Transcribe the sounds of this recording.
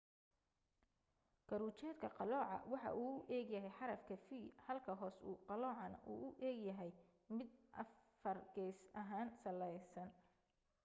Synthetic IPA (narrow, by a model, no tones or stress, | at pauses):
kɐɾuːt͡ʃɛːd̪kʰɐqɑlɔːʕɑ̰wɑħɑ̰ʔuːʊʔɛːɡjɐɦɛjħɑɾɐfkʰɐfihɐlkʰɐɦɔːsṵːqɑlɔːʕɑnɐ̰ʔṵːʔʊʔɛːɡjɐɦɛj | mɪd̪ʔɐ̰ffɐrɡɛːsɐɦaːnsɐlɛjsɐn